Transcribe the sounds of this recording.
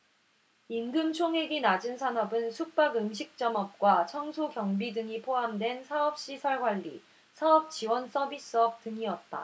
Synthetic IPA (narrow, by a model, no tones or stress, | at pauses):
inɡɯmt͡ɕʰoŋɦe̞ɡinad͡ʑɯnsʰanʌbɯnsʰuk̚p͈aɡɯmɕ̬ʰik̚t͡ɕ͈ʌmʌp̚k͈wat͡ɕʰʌŋsʰokjʌŋbidɯŋipʰoɦamdwe̞nsʰaʌp̚ɕ͈isʰʌɭɡwaʎːḭ | sʰaʌp̚t͡ɕiwʌns͈ʌbis͈ɯʌp̚tɯŋiʌt̚t͈a̰